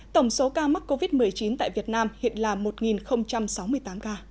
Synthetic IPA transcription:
t̪ə˧˩wŋ͡mso˨˦kaː˧m˦˥k̚kːo˧vi˦˥t̚mɨ˨˩əjt͡ɕi˨˦nt̪a̰ː˧˨jvi˨˩ət̚naː˧mhḭ˧˨ənlaː˨˩mo˨˩t̚ŋi˨˩nxə˧wŋ͡mt͡ɕa˧msa˨˦wmɨ˧əjt̪aː˨˦mkaː˧

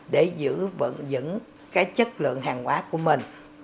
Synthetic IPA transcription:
ɗe˧˩zɨ̰˧˥və̰˧˨nzɨ̰˧˥n | kaː˨˦˥jt͡ɕə˦˥t̚lɨ̰˧˨əŋɦaː˨˩ŋhwaː˨˦ku˧˩əmï˨˩ŋ̟

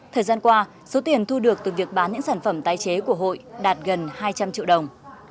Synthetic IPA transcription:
t̪ʰəː˨˩jzaː˧nkwaː˧ | so˨˦t̪i˨˩ənt̪ʰu˧ɗɨ˨˩ək̚t̪ɨ˨˩vi˨˩ək̚ɓaː˨˦nɲɨ̰˧˥ŋsaː˧˩nfə˧˩mt̪aː˨˩jt͡ɕe˨˦ku˧˩əɦo̰˧˨jɗaː˨˩t̚ɣə˨˩nhaː˧jt͡ɕa˧mt͡ɕḭ˧˨əwɗə˨˩wŋ͡m

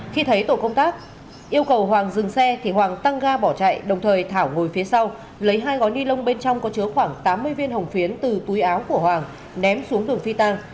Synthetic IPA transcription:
xi˧t̪ʰə˨˦jt̪o̰˧˨kə˧wŋ͡mt̪aː˦˥k̚ | ʔi˧əwkə˨˩wɦwaː˨˩ŋzɨ˨˩ŋsɛ˧t̪ʰi˨˩ɦwaː˨˩ŋt̪a˧ŋɣaː˧ɓɔ˧˩t͡ɕa̰ː˧˨jɗə˨˩wŋ͡mt̪ʰəː˨˩jt̪ʰaː˧˩wŋo˨˩jfi˨˦əsa˧w | lə˨˦jɦaː˧jɣɔ˨˦jni˧lə˧wŋ͡mɓe˧nt͡ɕɔ˧wŋ͡mkɔ˨˦t͡ɕɨ˨˦əxwaː˧˩ŋt̪aː˨˦mːɨ˧əjvi˧nɦə˨˩wŋ͡mfi˨˦ənt̪ɨ˨˩t̪u˨˦jʔaː˨˦wku˧˩əɦwaː˨˩ŋ | nɛ˨˦msu˨˦əŋɗɨ˨˩əŋfi˧t̪a˧ŋ

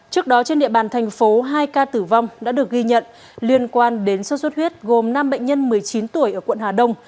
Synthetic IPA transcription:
t͡ɕɨ˦˥ək̚ɗɔ˨˦t͡ɕe˧nɗḭ˧˨əɓaː˨˩nt̪ʰɛ˨˩jŋ̟fo˨˦ɦaː˧jkaː˧t̪ɨ˧˩va˧wŋ͡mɗa̰ː˧˥ɗɨ˨˩ək̚ɣi˧ɲə̰˧˨n | li˧ənkwaː˧nɗe˨˦nsə˦˥swə˦˥t̚hwi˦˥t̚ɣo˨˩mna˧mɓə̰˧˨ŋ̟ɲə˧nmɨ˨˩əjt͡ɕi˨˦nt̪u˧˩əjʔəː˧˩kwə̰˧˨nhaː˨˩ɗə˧wŋ͡m

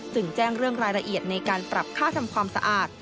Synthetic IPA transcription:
sɯ˨˧˩ŋt͡ɕɛː˥˩ŋɾɯ˥˩əŋɾaː˧jɾa˧ʔi˨˩ət̪̚na˧jkaː˧npɾa˨˩p̚kʰaː˥˩t̪ʰa˧mkʰwaː˧msa̰˧ʔaː˨˩t̪̚

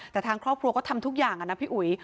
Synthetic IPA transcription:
t̪ɛː˨˩t̪ʰaː˧ŋkʰɾɔː˥˩p̚kʰɾu˧kɔː˥˩t̪ʰmt̪ʰu˦˥k̚jaː˨˩ŋʔa˧˩na˦˥pʰi˦˥ʔu˨˩˦j

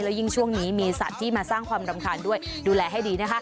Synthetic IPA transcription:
lɛː˦˥wji˥˩ŋt͡ɕʰu˥˩əŋniː˦˥miː˧sa˨˩t̪ʰːiː˥˩maː˧saː˥˩ŋkʰwaː˧mɾa˧mkʰaː˧ndu˥˩əj | duː˧lɛː˧ɦa˥˩jdiː˧na˦˥kʰa˦˥

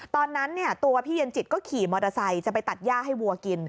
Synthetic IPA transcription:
t̪ɔː˧nːa˦˥nːi˥˩ɐt̪u˧ɐpʰiː˥˩je˧nt͡ɕi˨˩kɔː˥˩kʰiː˨˩˦mɔː˧da˧sa˧jt͡ɕa˨˩pa˧jt̪a˨˩t̪̚jaː˥˩ɦa˥˩jwu˧ɐki˧n

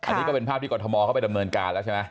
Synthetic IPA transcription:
ʔkʰa̰˧ni˦˥kːɔ˥˩pe˧npʰa˦˥˩t̪iː˥kɔː˧˩t̪ʰɔ˧mɔː˧kʰpa˨jda˧mnɤː˧nkaː˧nlɛː˦˥t͡ɕʰa˥˩ma˦˥j

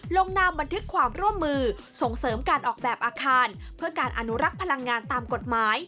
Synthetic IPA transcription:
lo˧ŋnaː˧mba˧nt̪ʰɯ˦˥kʰːwaː˧mɾu˥˩əmːɯː˧so˩˦ŋsɤː˩˦mkaː˧nʔɔː˨˩k̚bɛː˨˩p̚ʔaː˧kʰaː˧npʰɯ˥˩ɐkaː˧nʔa˧nu˦˥ɾa˦˥k̚pʰa˧la˧ŋːaː˧nt̪aː˧mko˨˩t̪̚maː˩˦j

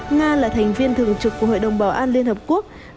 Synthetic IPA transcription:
ŋaː˧laː˨˩t̪ʰɛ˨˩jŋ̟vi˧ənt̪ʰɨ˨˩əŋt͡ɕɨ˨˩kːu˧˩əho̰˧˨jɗə˨˩wŋ͡mɓaː˨˩˦wʔaː˧nli˧ənhəː˨˩p̚ku˦˥ək̚

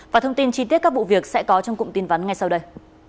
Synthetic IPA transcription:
vaː˨˩t̪ʰə˧ŋ͡mt̪i˧nt͡ɕi˧t̪i˦˥t̚kaː˦˥k̚v̰ṵ˧˨vi˨˩ək̚sɛ̰˧˥kɔ˨˦t͡ɕɔ˧wŋ͡mkʊ̰˧˨ŋ͡mt̪i˨˦nva˨˦nŋa˧jsa˧wɗə˧j

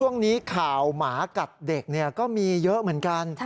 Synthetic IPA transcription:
u˥˩əŋniː˦˥kʰaː˨˩wmaː˩˦ka˨˩t̪̚de˨˩k̚ni˥˩ɐkɔː˥˩miː˧jɤ˦˥ʔmɯ˩˦ənka˧n

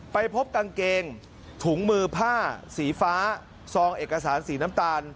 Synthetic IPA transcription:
pa˧jpʰo˦˥p̚ka˧ŋkeː˧ŋ | t̪ʰuː˩˦ŋmɯː˧pʰaː˥˩siː˩˦faː˦˥ | sɔː˧ŋʔeː˨˩ka˧saː˩˦nsiː˩˦naː˦˥mt̪aː˧n

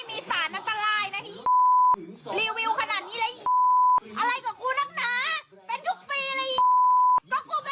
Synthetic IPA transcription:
jmiː˧saː˩˦nʔa˧nt̪a˧ɾaː˧jna˦˥t̪ʰi˦˥ | liː˧wːi˧wkʰa˧naː˨˩t̪̚niː˦˥laː˦˥ʔi˨˩ʔa˧ɾa˧jkɔː˨˩kuː˧na˦˥ŋ̚naː˨˦ | pe˧nt̪ʰu˦˥k̚piː˧la˧˦˥ʔi˨˩k̪ɔː˧˥˩kuː˧ka˧

